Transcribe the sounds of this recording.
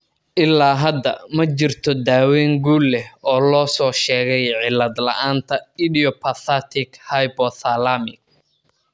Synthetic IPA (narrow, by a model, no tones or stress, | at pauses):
ʔɪlːaːɦɐd̪ɐ̰mɐt͡ʃɪrt̪ʰɔd̪aːwɛːŋɡuːlːɛhɔːlɔːsɔːʃɛːɣɛjʕɪlːɐd̪lɐ̰ʔaːnt̪ʰɐɪdiɔpʰɐθɐt̪ʰɪkhɐjpɔθɐlamɪk̚